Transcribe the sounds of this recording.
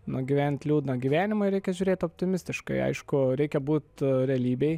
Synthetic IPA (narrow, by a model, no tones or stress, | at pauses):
nʊɡʲiʋʲɛnʲt̪ʲlʲuːd̪nɐɡʲiːʋʲæːnʲɪmɐɪɾʲɛɪkʲɛʒʲʊɾʲeːt̪oːpʲt̪ʲɪmʲɪsʲt̪ʲɪʃkɐɪɐ̰ɪʃkʊɾʲɛɪkʲɛbuːt̪ɾʲɛɐlʲiːbʲɛɪ